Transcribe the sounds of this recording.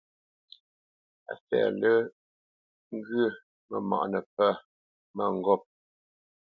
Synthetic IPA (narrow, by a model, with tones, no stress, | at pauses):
a̰˨fɛ̰ː˨lə˦ | ŋ˦ɡə˦˨ | mə˨ma̰˨ʔnə˨pə˦ | mə˦˨ŋ̩˦ɡɔ˦˨p̚